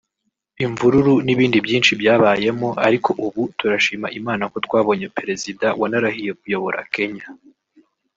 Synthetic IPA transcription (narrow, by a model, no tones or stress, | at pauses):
iɱvuɾuɾuniβiːndibjiːnt͡ʃibjaːβaːje̞mo̞ʔaɾiko̞ʔuβutuɾaʃiːmaʔimaːnako̞twaːβo̞ɲe̞peɾe̞zidawanaɾahije̞k̚ujo̞βo̞ɾʔa̰ke̞ɲa